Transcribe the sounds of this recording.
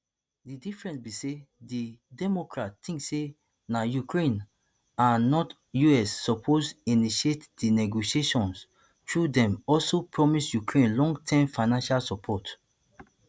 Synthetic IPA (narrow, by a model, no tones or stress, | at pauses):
didifɹɛ̃nsbisedidɛmɔkɹattĩŋksːe | najukɹẽn | ãnɔt | juɛsːɔpʰoziniʃietdinɛɡoʃieʃɔ̃ns | tɹudɛ̃mɔlsopʰɹɔmisjukɹẽnlɔ̃ŋɡtʰɛ̃mfaɪnãnʃalsɔpʰɔt